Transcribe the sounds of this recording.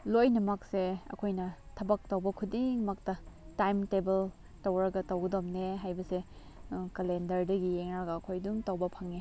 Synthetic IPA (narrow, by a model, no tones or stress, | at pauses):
lojnɐmɐk̚seɐ̰kʰojnɐtʰɐbɐk̚tɐwbɐkʰudiŋmɐk̚tɐtajmtebel | tɐwɾɐɡɐtɐwɡɐdomneɦajbɐse | kɐlendɐɾdɐɡieŋɾaɡɐːkʰojduŋtɐwbɐpʰɐŋe